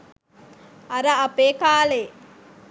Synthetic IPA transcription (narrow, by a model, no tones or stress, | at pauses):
ɐɾɐɐpeːkaːle